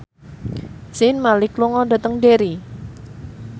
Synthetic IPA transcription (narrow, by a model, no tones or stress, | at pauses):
sɪnmalɪkluŋɔɖa̤t̪əŋdeɾi